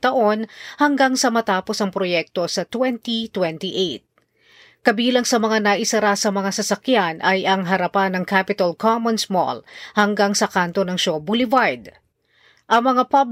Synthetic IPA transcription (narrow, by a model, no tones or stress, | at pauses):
t̪ɐʔo̞nhɐŋɡaŋsɐmɐt̪aːpo̞sɐŋpɾojɛk̚t̪o̞sɐt̪wɛnt̪it̪wɛnt̪iʔejt̪̚ | kɐbiːlɐŋsɐmɐŋanɐʔɪsɐɾasɐmɐŋasɐsɐkjanʔɐjʔɐŋɦɐɾɐpanːɐŋkapɪt̪ɐlkʰomɐnsmo̰lhɐŋɡaŋsɐkant̪o̞nɐŋʃobulɪvajd̪ | ʔɐŋmɐŋapab